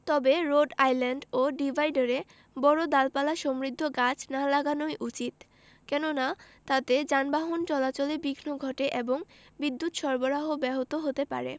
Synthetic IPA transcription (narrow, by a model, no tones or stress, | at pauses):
t̪ɔbeɾoɖajlaɳɖoɖibʱajɖaɾe | bɔɾod̪alpalaʃomɾid̪ʱːoɡat͡ɕʰnalaɡanojʔut͡ɕit̪ | kɛnona | t̪at̪ed͡ʑanbaɦont͡ɕɔlat͡ɕolebiɡʱnoɡʱɔʈeʔeboŋbid̪ːut̪ʃɔɾboɾaɦobɛɦot̪oɦot̪epa̰ɾḛ